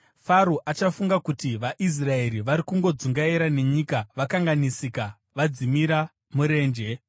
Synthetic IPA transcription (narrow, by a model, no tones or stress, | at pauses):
faɾoʔat͡ʃafuŋɡakutiʋaʔis̬rae̞ɾiʋaɾikuŋɡo̞d͡zuŋɡaiɾane̞ɲikaʋakaŋɡanisika | ʋad͡zimiɾa | muɾe̞ːnd͡ʒe̞